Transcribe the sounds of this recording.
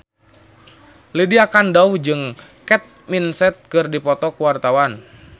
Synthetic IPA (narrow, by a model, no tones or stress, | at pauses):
lidiakandaud͡ʒɨŋkɛt̪̚minsɛt̪̚kɨrdipɔt̪ɔkuwart̪awan